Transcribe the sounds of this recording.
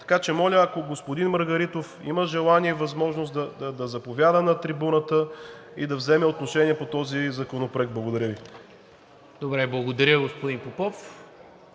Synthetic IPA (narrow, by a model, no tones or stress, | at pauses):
t̪ɐ̥kat͡ʃɛmɔlʲəɐkoɡospod̪inməɾɡɐɾit̪ofḭməʒɛlˠaniɛivɐzmɔʒnosd̪ɐd̪ɐd̪ɐzɐpovʲjad̪ənɐt̪ɾibunət̪əid̪ɐvzɛmɛot̪noʃɛniɛpot̪ɔzizɐkonopɾoɛkɡ̪̚blˠɐɡod̪ɐɾʲəvi | d̪obɾɛblˠɐɡod̪ɐɾʲjəɡospod̪inpopɔf